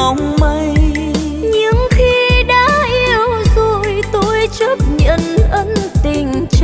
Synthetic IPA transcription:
ŋ͡mma˧j | ɲɨ˧˦ŋxi˧ɗaː˧˥ʔi˧əwzo˨˩jt̪o˧jt͡ɕə˦˥p̚ɲə̰˧˨nʔə˧˦nt̪i˨˩ŋ̟t͡ɕ

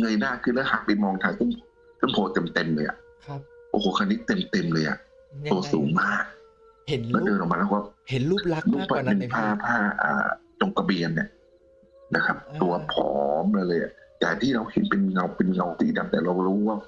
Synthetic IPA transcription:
ŋɤ˧jnaː˥˩kʰɯː˧˥˩lɛː˦˥wha˦˥k̚pa˧jmɔː˧ŋt̪ʰaː˧jkʰɯ˥˨nʰ | kʰɯ˥˨npʰoː˧˩t̪e˧mt̪e˧mlɤː˧jʔa̰˨˩ʔ | ʔo̰ː˧hoː˧˦kʰa˧nːiː˦˥t̪e˧mt̪e˧mlɤː˧jʔa̰˨˩ʔ | t̪u˧ɐsuː˨˩˦ŋmaː˥˩k̚ | lɛː˦˥˩dɤː˧nʔmaː˧lːɛː˧˥˩kɔ˥˩˥ | nu˥˩ŋpʰa˥˩pe˧npʰaː˥˩pʰaː˥˩ʔa̰ː˨˩t͡ɕo˧ŋka˧bi˧ənːḭ˧˨˩ | na˦˥kʰa˦˥p̚t̪u˧ɐpʰɔː˨˦mla˧lɤː˧jʔa̰˨˩t̪aː˨˩t̪ʰiː˥˩ɾa˧whi˨˦npe˧nŋa˧wpe˧nŋa˧wt̪ḭː˨˦da˧˩mt̪ɛː˨˩ɾa˧wlɾuː˦˥waː˥˩

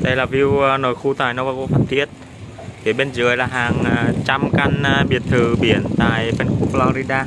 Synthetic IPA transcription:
t̪e˧˩laː˨˩vi˧wno˧˨˩jxu˧t̪aː˨˩jnɔ˧wvaː˧˩ko˧fʰaː˧˩nt̪ʰi˦˥ət̚ | vi˨˩˦ɓe˧nzɨ̰˨˩əjlaː˨˩ɦaː˨˩ŋ˧t͡ɕa˧mka˧n˧ɓi˨˧˩ən̚t̪ʰɨː˨˩ɓi˨˩˦ənt̪a̰ː˧˨jpe˧nku˧pflɔ˧ɾi˧ɗaː˧

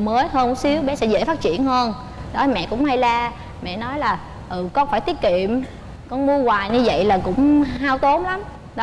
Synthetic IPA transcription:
məː˨˦jhəː˧n̚˨˦si˨˦əwɓɛ˨˦sɛ̰˧˥zḛ˧˥faː˦˥t̚t͡ɕḭ˧˨ənhəː˧n | ɗɔ˨˦mɛ̰˧˨kʊ̰˧˥ŋ͡mha˧jlaː˧ | mɛ̰˧˨nɔ˨˦jlaː˨˩ | ʔɨː˨˩kɔ˨˦faː˧˩jt̪i˦˥əki˧˨əm | kɔ˧nmu˧əwaː˨˩jɲɨ˧və̰˧˨jlaː˨˩kʊ̰˧˥ŋ͡mɦaː˧wt̪o˨˦mla˨˦m | ɗɔ˨˦

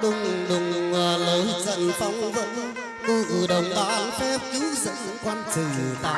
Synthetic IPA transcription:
ɗʊ˧˩ŋ͡mɗʊ˨˩ŋ͡mwaː˨˩lə˨˦jzə̰˧˨˩nfa˨˦wŋ͡mvə̰˧˥n | t̪ɨ˧˩ʔɨ˨˩ɗə˨˩wŋ͡mt̪a̰ː˧˥fɛ˦˥p̚ki˨˦zə̰˧˨˥n | kwa˧nt͡ɕi˨˩˨t̪a̰ː˧˨˩

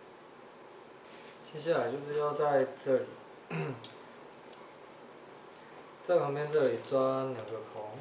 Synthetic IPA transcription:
t͡ɕʰi˧˥˦ɕ̬ja˥˩la˨˩ɪt͡ɕjo˥˧ʊʂ̬ɻ̩˥˧jɑ˥˧ʊt͡sa˥˧ɪʈ͡ʂɤ˥˩lḭ˨˩˦ | t͡sa˥˩ɪpʰɑ˧˥ŋpjɛ˥˧nʈ͡ʂɤ˥˩li˨˩t͡swa˥nja˨˩ŋɡə˨kʰɔ˨˦ŋ

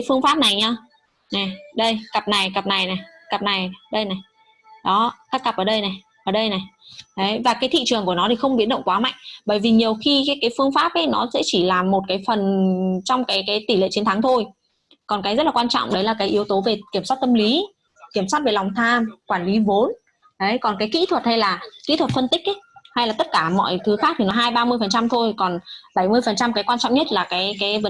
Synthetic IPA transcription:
jfɨ˧əŋfaː˦˥p̚na˨˩jɲaː˧ | na˨˩ɗə˧jkə˨˩p̚na˨˩jkə˨˩p̚na˨˩jna˨˩j | kə˨˩p̚na˨˩jɗə˧jna˨˩j | ɗɔ˨˦k̪aː˦˥k̚ːə˨˩p̚ʔəː˩ɗə˧jna˨˩j | ʔəː˧˩ɗə˧jna˨˩jt̪ʰə˨˦jvaː˨˩kaː˨˦jt̪ʰḭ˧˨t͡ɕɨ˨˩ŋku˧˩ənɔ˨˦t̪i˨˩xə˧wŋ͡mɓi˨˥ənɗə̰˧˨wŋ͡mŋkwaː˨˦ma̰˧˨jŋɓəː˧˩jvi˨˩ɲi˨˩əwxi˧kaː˨˦jkaː˨˦jfɨ˧əŋfaː˦˥p̚ʔə˨˦jnɔ˨˦sɛ̰˧˥t͡ɕi˧˩laː˨˩mo˨˩t̚kaː˨˦jfə˨˩nt͡ɕɔ˧wŋ͡mkaː˨˦jkaː˨˦jt̪i˧˩lḛ˧˨t͡ɕi˨˦ənt̪ʰa˨˦ŋt̪ʰo˧j | kɔ˨˩nkaː˨˦jzə˦˥t̚la˨˩kwaː˧nt͡ɕɔ̰˧˨wŋ͡mɗə˨˦jlaː˨˩kaː˨˦jʔəwt̪o˨˦ve˨˩ki˧˩əmswa˦˥t̚t̪ə˧mli˨˦ | ki˧˩əmswaː˦˥t̚ve˨˩la˨˩wŋ͡mt̪ʰaː˧mkwaː˧˩nli˨˦vo˨˦n | ɗə˨˦jkɔ˨˩nkaː˨˦jkḭ˧˥t̪ʰwə˨˩t̚ha˧jlaː˨˩kḭ˧˥t̪ʰwə˨˩t̚fə˧nt̪ï˥k̚ʔə˨˦ha˧jlaː˨˩t̪ə˦˥t̚kaː˧˩mɔ̰˧˨jt̪ʰɨ˨˦xa˦˥k̚t̪ʰi˨˩nɔ˨˦ɦaː˧jɓaː˧mɨ˧əjfə˨˩nt͡ɕa˧mt̪ʰo˧jkɔ˨˩nɓa˧˩jmɨ˧əjfə˨˩nt͡ɕa˧mkaː˨˦jkwaː˧nt͡ɕɔ̰˧˨ŋ͡mɲə˦˥t̚laː˨˩kaː˨˦jkaː˨˦jvə˨˦

